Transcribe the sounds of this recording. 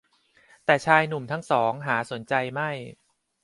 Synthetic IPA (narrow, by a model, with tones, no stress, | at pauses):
t̪ɛː˨˩t͡ɕʰaː˧jnu˨˩mt̪ʰa˦˥˩ŋsɔː˩˦ŋɦaː˩˦su˩˦nt͡ɕa˧jma˥˩j